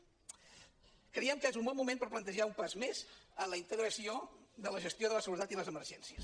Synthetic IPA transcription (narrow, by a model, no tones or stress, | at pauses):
kɾəiɛmkəezumbɔlˠmumenpəɾplənt̪əʒaumpazmezənləint̪əɣɾəsioðələʒəst̪joðələsəɣuɾət̪at̪iləzəməɾʒɛnsiəs